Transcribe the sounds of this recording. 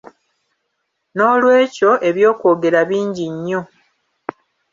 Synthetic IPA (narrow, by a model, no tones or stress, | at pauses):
no̞ːlwe̞ːco̞ʔe̞βjo̞ːko̞ːɡe̞ɾaβiːɲɟiɲːo̞